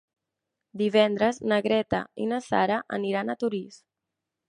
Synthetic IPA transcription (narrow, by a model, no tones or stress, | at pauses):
d̪iβɛnd̪ɾəznəɣɾɛt̪ə̰ḭnəsa̰ɾəʔə̰niɾanət̪uɾis